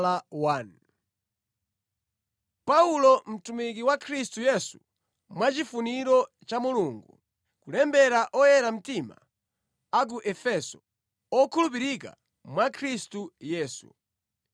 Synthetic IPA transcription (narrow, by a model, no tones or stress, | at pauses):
lawan | paulɔm̩tumik̬iwakʰɾistujɛsṵ | mwat͡ʃifuniɾɔ | t͡ʃamuluːŋɡṵ | kulɛmbɛɾaʔɔjɛɾam̩tima̰ | ak̬uʔɛfɛsɔ̥ | ɔkʰulup̬iɾika̰ | mwakʰɾistujɛːsṵ